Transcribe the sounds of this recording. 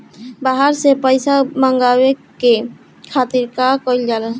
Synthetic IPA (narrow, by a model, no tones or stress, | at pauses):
baɦaɾsepajsamaŋɡaweke | kʰat̪iɾkakojld͡ʒala